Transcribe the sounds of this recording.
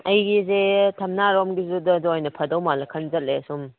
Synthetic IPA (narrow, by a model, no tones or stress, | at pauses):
ɐjɡizetʰɐmnaɾɔmɡizudɐdɔjnɐpʰɐdɐwmalɐkʰɐnzɐt̚lesum